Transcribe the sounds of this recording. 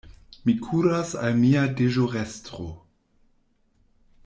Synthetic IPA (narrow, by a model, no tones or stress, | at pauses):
mikʰuɾasa̰lmiadeʒoʁestɾo̰